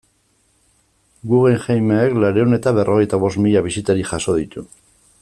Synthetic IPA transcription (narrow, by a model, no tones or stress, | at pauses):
ɡuɣeŋʝajmeːklaɾe̞une̞t̪aβe̞rʔo̞ɣ̞ejt̪aβo̞st̪miʎaβisit̪aɾiʝaso̞ð̞it̪u